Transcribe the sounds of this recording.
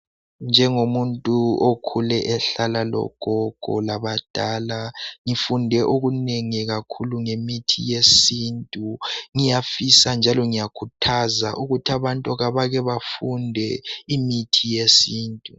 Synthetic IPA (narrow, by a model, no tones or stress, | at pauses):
nd͡ʒʱɛŋomuntʼuokʰulɛʔɛɬalalɔ̰ɡ̥ʱɔɡ̥ʱɔ̰laβad̥ʱaːlaŋifundʱɛʔoɣuneŋiɣakʰuluŋemitʰḭjesiːntʼuŋijafisand͡ʒʱalɔŋijakʰutʰazaʔuɣutʰaβantʼɔɣaβaɣɛβafundʱɛimitʰijesiːntʼu